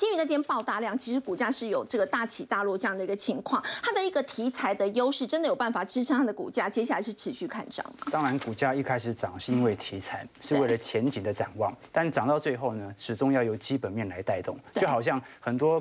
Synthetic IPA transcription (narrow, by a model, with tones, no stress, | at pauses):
t͡ɕi˥y˥˧na˥˧t͡ɕjɛ˥npɑ˥˧ʊt̪a˥˧ljɑ˥˨˩ŋt͡ɕʰi˧˥ʂɻ̩˧˥ku˨˩t͡ɕja˥ʂɻ̩˥˩jo˨˩ʊʈ͡ʂɤ˥˩ɡə˩t̪a˥˩t͡ɕʰi˨˩t̪a˥˧lwɔ˥˧ʈ͡ʂɤ˥˧jɑ˥˩ŋd̪ə˩i˧˥ɡə˧t͡ɕʰi˧˥ŋkʰwɑ˥˩ŋt̪ʰa˥d̪ə˨i˧˥ɡə˨t̪ʰi˧˥t͡sʰa˧˥ɪd̪ə˨jo˥ʊʂɻ̩˥˩ʈ͡ʂə˧˥nd̪ə˨jpa˥˩n˩fa˨˩ʈ͡ʂɻ̩˥ʈ͡ʂʰə˧˥ŋt̪ʰa˥d̪ə˨kṵ˨˩t͡ɕja˥t͡ɕjɛ˥ɕ̬ja˥˩la˧˥ɪʂɻ̩˥˩ʈ͡ʂʰɻ̩˧˥ɕy˥˧kʰa̰˥˧nʈ͡ʂɑ̰˥˩ŋmɐ˨˩t̪ɑ˥ŋɻa˧˥nku˨˩t͡ɕja˥i˥˧kʰa˥ɪʂɻ̩˨˩ʈ͡ʂɑ˨˩ŋʂɻ̩˥˧i˧˥nwe˥˩ɪt̪ʰi˧˥t͡sʰa˧˥˦ɪʂɻ̩˥˧˥we˥˩ɪlə˩t͡ɕʰjɛ˧˥nt͡ɕi˨˩ŋd̪ə˦ʈ͡ʂa˨˩nwɑ˥˩ŋt̪a˥˩nʈ͡ʂɑ˨˩ŋt̪ɑ˥˧ʊt͡swe˥˧ɪxo˥˩ʊnə˩ʂɻ̩˨˩ʈ͡ʂʊ˥ŋjɑ˥˩ʊjo˧˩ʊt͡ɕi˥pə˨˩nmjɛ˥˩nla˧˥ɪt̪a˥˧ɪt̪ʊ˥˩ŋt͡ɕo˥˩ʊxɑ˨˩ʊɕ̬jɑ˥˩ŋxə˨˩nt̪wɔ˥